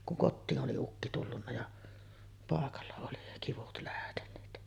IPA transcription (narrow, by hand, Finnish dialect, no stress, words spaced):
kuŋ kotːiːn ʔoli ukːi tulːunːɑ jɑ pɑˑekɑlːɑ oli kiʋut læhtenˑeːt